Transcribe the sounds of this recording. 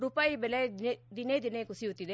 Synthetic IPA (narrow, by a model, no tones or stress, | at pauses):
ɾʊpaːibelɛd̪ɪned̪ɪnekʊsiɦʊt̪id̪e